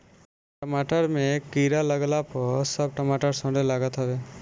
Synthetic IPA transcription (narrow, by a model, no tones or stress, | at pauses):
ʈəmaʈəɾmẽkiɾaləɡlapɔsəb̚ʈəmaʈəɾsɔ̃ɖelaɡət̪ɦɔbe